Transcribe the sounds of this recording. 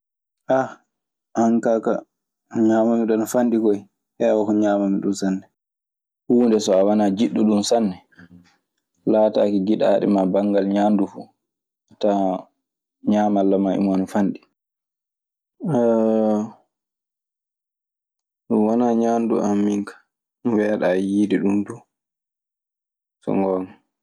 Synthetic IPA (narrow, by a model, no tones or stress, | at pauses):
ʔa | haŋkaka | ɲaːmamiɗɔnɔfanɗikɔj | hɛwɔkɔɲaːmamiɗunsanːɛ | huːndɛsɔawanad͡ʒiɗːuɗunsanːɛ | laːtaːkiɡiɗa̰ːɗɛ̰mabaŋɡalɲaːndufu | ata | ɲaːmalːamaḭmɔnfanɗi | wanaːɲandṵʔamːiŋkḁ | wɛɗajiːdiɗumdu | sɔ̰ŋɡɔn